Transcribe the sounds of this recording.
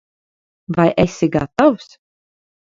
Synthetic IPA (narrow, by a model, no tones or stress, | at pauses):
vajʔɛsʲiɡa̰t̪aws